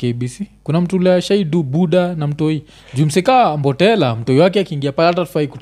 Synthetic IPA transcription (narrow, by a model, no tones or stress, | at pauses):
keɓisikunam̩tulɛaʃaidubuɗanam̩tɔi | d͡ʒum̩sɛkambɔtɛla̰m̩tɔiwakɛakiːŋɡiapalɛhatatu̥faiku